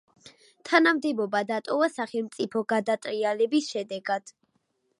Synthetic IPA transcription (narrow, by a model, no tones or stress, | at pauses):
t̪ʰanamd̪ɛbɔbad̪at̪ʼɔvasaχɛlˠmt̪sʼipʰɔɡad̪at̪ʼɾialɛbisʃɛd̪ɛɡad̪̥